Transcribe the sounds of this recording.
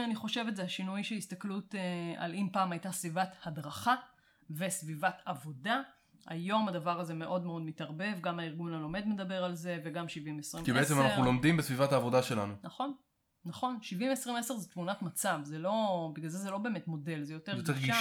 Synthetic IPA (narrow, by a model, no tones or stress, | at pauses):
aniχo̞ʃe̞vetzeaʃinujʃehist̪aklutea̰limpaːmajtasvivathadʁaχa | vesvivatavo̞da | a̰jo̞madavaʁaze̞me̞ʔo̞dmeo̞d̪mitaʁbe̞vɡamaiʁɡunalo̞me̞d̪me̞d̪abe̞ʁalze̞veɡamʃivimesʁimkibeet͡semanaχnulomd̪imbesvivathaːvo̞daʃe̞lanunaχo̞nː | aχo̞nʃivimesʁimese̞ʁzetmunatmat͡savzelo̞biɡlalzezelo̞be̞ːmetmo̞de̞lzejotejoɡteɡia